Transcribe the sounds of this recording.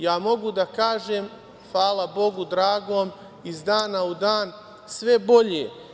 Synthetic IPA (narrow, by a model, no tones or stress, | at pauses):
jaːmo̞ɡud̪akaːʒeːm | faːlˠabo̞ɡud̪ɾaːɡoːm | izd̪aːnaud̪aːn | sʋe̞bo̞ʎeː